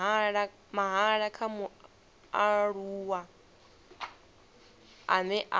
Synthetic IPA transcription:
aɺa | maɦaɺakʰamu | aɺuːwa | anɛʔa

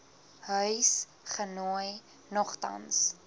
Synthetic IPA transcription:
ɦœɥs | χənɔj | nɔχtɐ̰ns

